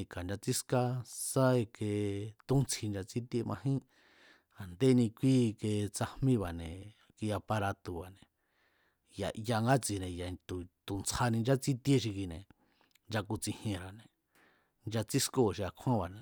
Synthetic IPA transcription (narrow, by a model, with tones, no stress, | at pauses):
i˧ka˨nd͡ʒa˧t͡si˦ska˧sa˦e˧ke˧t̪ũ˦nt͡sʰi˧nd͡ʒa˧t͡si˦t̪je˧mʔã̰˧ɦĩ˦ | a˨nd̪e˦nĩ˧kʷi˦ke˧t͡sa˧hmĩ˦βa˨nẽ˨ | ki˧ja˧pa˧ɾa˧t̪u˧βa˨nẽ˨ | ja̰˧˨ʔja˧ŋɡa˦t͡si˧nẽ˨ja˨˧t̪u˨t̪u˨nt͡sʰa˧nĩ˧nd͡ʒa˦t͡si˦t̪e˦ʃ̬i˧ki˧nẽ˨ | nd͡ʒa˧ku˧t͡sĩ˧hjẽ˧ɾa˨nẽ˨ | nd͡ʒa˧t͡si˦sko˦˨ʃi˧a˨˧kʰã˦βa˨nẽ˨